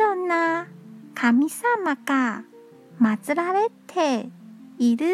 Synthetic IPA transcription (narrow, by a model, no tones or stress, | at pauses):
ɾonːakʰamʲisamaɡ̥a | mat͡sɨɾaɾe̞t̪ʰe̞ | iɾɯ